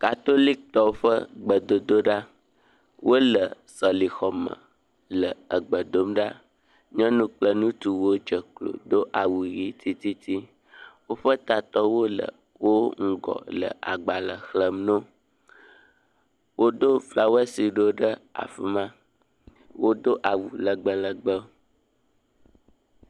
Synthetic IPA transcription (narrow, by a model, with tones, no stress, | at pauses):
ka˨t̪o˦li˦k̚t̪ɔ˦wo˦ɸə˦ɡ͡bə˨d̪o˨d̪o˦ɖa˦ | wʔo˦lə˨ | sɔ˨li˨xɔ˨mə̰̃˨ | lə˨ə˨ɡ͡bə˨d̪o˦mɖa˦ | ɲɛ̃˦nũ˦k͡plə˦nũ˦t̪u˨wo˦d͡ʒə˨klo̰˨d̪o˦ʔa˨wu˨ji˦t̪i˦t̪i˦t̪ʰi˦ | wo˦ɸə˦t̪a˨t̪ɔ˦wo˦lə̰˨ | wo˦ŋ̩˦ɡɔ̰˨lə̰˨a̰˨ɡ͡ba˨lə˨xlə˨mnõ˦ | wo˦d̪o˦fla˦˨wɛ˦si˨ɖo˦ɖə˦a̰˨fi˦mã˦ | wo˦d̪o˦ʔa˨wu˨lə˨ɡ͡bə˦lə˨ɡ͡bə˦o˦